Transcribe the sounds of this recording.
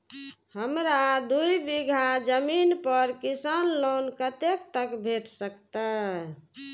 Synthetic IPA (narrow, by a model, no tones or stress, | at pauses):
həmɾad̪ujbiɡʱad͡ʒəminpəɾkisanlonkət̪ek̚t̪əkbʱeʈʰsəkt̪ə